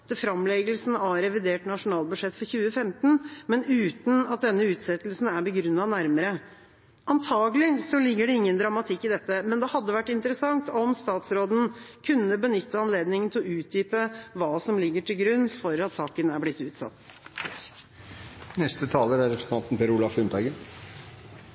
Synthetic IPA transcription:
t̪əfɾɑmlɛɡəlsn̩ɑɾɛʋɪd̪eːʈnɑʂʊnɑːlbʉʂɛt̪ːfɔɾçʉːəfɛmt̪n̩mɛnʉːt̪n̩ɑt̪̚d̪ɛnːəʉːt̪sɛt̪lsn̩æɾbəɡɾʉnːɑnæɾməɾə | ʔɑnt̪ʰɑːɡəlɪsɔlɪɡːəɖɛɪŋːənd̪ɾɑmɑt̪ʰɪkːɪd̪ɛt̪ːəmɛnd̪ɛhɑd̪ːəʋæʈːɪnt̪əɾəsɑŋt̪ɔmst̪ɑːt̪sɾoːd̪n̩kʰʉnːəbənʏt̪ːəɑnleːd̪nɪŋənt̪ʰɪlɔʉːt̪̚d̪yːpəʋɑːsɔmlɪɡːəʈʰɪlɡɾʉnːfɔɾɑt̪sɑːkənæblɪt̪ːʉːt̪sɑ̰t̪ː | nɛst̪ət̪ʰɑːləɾæɾɛpt̪ʰɑnt̪n̩pʰɛɾʊlɑfʉnt̪ʰɑɡən

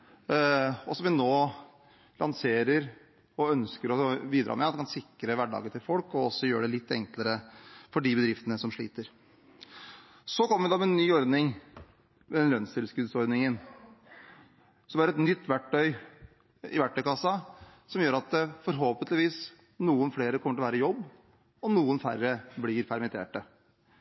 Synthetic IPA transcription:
ɔsɔmʋɪnoː | lʔɑ̰nseːɾəɾ | ɔœnskəɾɔbiːd̪ɾʔɑ̰ːmɛɑt̪ɛkɑnsɪkɾəʋæɖɑ̰ːɡət̪ʰɪlfɔlkɔɔsːɔjøːəɖɛlɪt̪ːɛŋkləɾəfɔɖɪbəd̪ɾɪft̪ənəsɔmʂɭḭːt̪əɾ | sɔkɔmːəʋɪd̪ɑmɛɛnːyːɔɾd̪nɪŋ | mɛd̪ɛnlœnst̪ɪlskʉd̪sɔɾd̪nɪŋən | sɔmæɾɛt̪nʏt̪ːʋæʈːœʏ | ɪ̰ʋæʈːœʏkɑsːɑsɔmjøːɾɑt̪fɔɾɦoːpənt̪lɪʋiːs | nuːənfleːɾəkʰɔməʈɪlʋæːɾəjɔbː | ɔnuːənfæ̰rːəblɪːɾpʰæɾmɛnt̪ʰḛːʈə

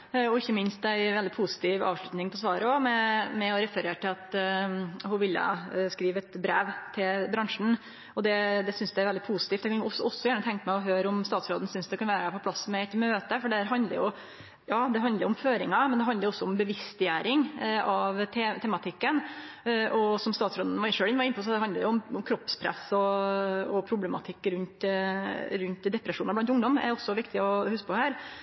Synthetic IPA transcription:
ɔɪçːəmɪnst̪̚d̪æɪʋɛld̪ɪpʰʊsɪ̥t̪ʰiːʋɑ̰ːʋʂɭʉt̪nɪŋpʰɔsʋɑːɾəɔmɛmɛɔɾɛfəɾeːʈɪlɑt̪ | hʊʋɪlːə̰skɾiːʋɛt̪bɾeːʋt̪ʰɪlbɾɑŋʂɳ̩ | ɔd̪ɛd̪ɛsʏnsd̪ɛæɾʋɛld̪ɪpʰusɪ̥t̪iːft̪æɛkɑnɔsɔɔsːɔjæːɳət̪ʰɛŋkəmæɪɔɦøːɾʊmst̪ɑːt̪sɾoːd̪n̩sʏnsd̪ɛkɑnʋæːɾəæɾpʰɔpʰlɑsmɛɛt̪møːt̪əfɔɖɛhæɾɦɑnd̪lə̰ɾjʊ | jɑːd̪ɛɦɑnd̪əɾʊʊmføːɾɪŋɑmɛnd̪ɛɦɑnd̪əɾʊɔsːɔʊmbəʋɪst̪ɪjæːɾɪŋɑʋt̪ʰɛt̪ʰɛmɑt̪ʰɪkːən | ʔɔsɔmst̪ɑːt̪sɾoːd̪n̩ʋɑɪʂøːɪnːʋɑɾɪnpʰʊsɔd̪ɛɦɑnd̪əɾjʊʊmɔmkʰɾɔpspʰɾɛ̰sɔɔpʰɾʊblɛmɑ̰t̪ʰɪkːɾʉnt̪ | ɾʉnt̪d̪ɛpɾɛʂuːnɑɾblɑnt̪ʊŋd̪ɔmæ̰ɾɔsːɔʋɪkt̪ɪɔhʉskəpɔhæːɾ

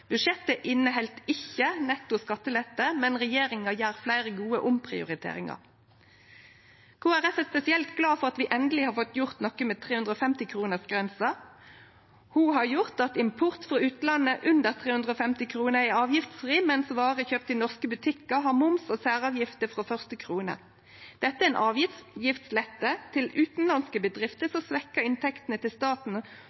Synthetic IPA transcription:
bʉʃɛt̪ːəʔɪnːəɦɛlt̪ɪçənɛt̪ʊskɑt̪ːəlɛt̪əmɛnʁɛjeːʁɪŋɑjæːʁflæɪʁəɡuːəʔʊmpʰʁɪ̰ʊ̰ʁɪt̪ʰḛːʁɪ̰ŋɑ̰ʁ | kʰuːæʁɛfəspɛsɪɛlt̪ɡlɑːfɔʁɑt̪ʋiːʔɛnd̪əlɪhɑːʁfɔt̪jʊʁt̪nɔkːəmeːt̪ʰʁeːhʉnd̪ʁoːfɛmt̪ɪkʰʁuːnəʁsɡʁɛnsɑ | huɦɑʁjʊʁt̪ɑt̪ɪmpʰʊʁt̪fʁɑːʉːt̪lɑnːəʔʉnd̪əʁt̪ʰʁeːhʉnd̪ʁəoːfɛmt̪ɪkʰʁuːnəʁɪɑːʋjɪft̪sʁiːmɛnsʋɑːʁəçøːp̚t̪ɪnɔʁskəbʉt̪ʰɪkːəɦɑʁmʊmsoːsæːʁɑːʋjɪft̪əfʁoːfœʁst̪əkʰʁuːnə̰ | d̪̥ɛt̪ːəæɛːnʔɑːʋjɪft̪sjɪft̪slɛt̪ːət̪ʰɪlʉːt̪n̩lɑnskəbəd̪ʁɪft̪əsɔsʋɛkːɑɪnt̪ʰɛkt̪ənət̪ɪlst̪ɑːt̪n̩

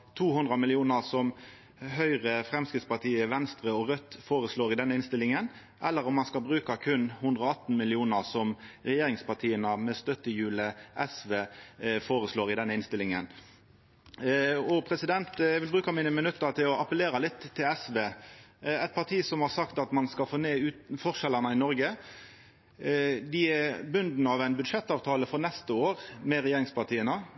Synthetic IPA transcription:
t̪ʰuːhʉnd̪ʁɑmɪlɪuːnəʁsɔm | ɦœʏʁəfʁɛmskɾɪt̪spɑʁt̪ʰiːəʋɛnst̪ɾəɔʁœt̪ːfoːɾəsloːɾɪd̪ɛnəɪnst̪ɪlɪŋən | ʔɛlːəɾɔmːɑnskɑlbɾʉːkɑkʰʉnːhʉnd̪ʁɔɑt̪ːn̩mɪlɪuːnəʁsɔmʁɛjeːɾɪŋspɑʈ̪ʰiːənəmɛst̪œt̪ːəjʉːləʔɛsʋeːfoːɾəsloːʁɪd̪ɛnːəɪnst̪ɪlɪŋən | ɔpʰɾɛsɪd̪ɛnt̪bɾʉːkəɾmiːnəmɪnʉt̪ːət̪ʰɪlɔʔɑpəleːɾɑlɪt̪ʰːɪlɛsʋeː | æɪt̪̚pʰɑʁt̪ʰiːsɔmhɑɾsɑkt̪ɑt̪mɑnskɑfoːneːʉːt̪fɔʁʂɛlənəɪnɔɾɡə | d̪ɪæbʉnd̪n̩ɑʋæɪnbʉd̪ʂɛt̪ːɑːʋt̪ʰɑːləfɔɾnɛst̪əoːʁmɛɾɛjeːɾɪŋspɑʁt̪ʰiːənə

